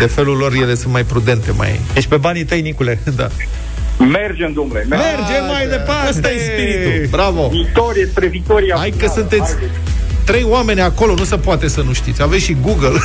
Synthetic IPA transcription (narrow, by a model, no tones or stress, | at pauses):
d̪e̞fe̞lulːo̞rje̞le̞sunt̪majpɾud̪e̞nt̪e̞ma̰jd̪et͡ʃʲpe̞banit̪əjnikule̞d̪a̰ | merd͡ʒemd̪umlememmerd͡ʒemːajd̪epaast̪ajespiɾit̪ubɾavo̞vit̪oɾiespɾevit̪o̞ɾiaajkəsunt̪e̞t̪sʲ | t̪ɾe̞jwame̞nʲako̞lo̞nusepoat̪e̞sənuʃt̪it̪sʲavesʲʃiɡuɡəl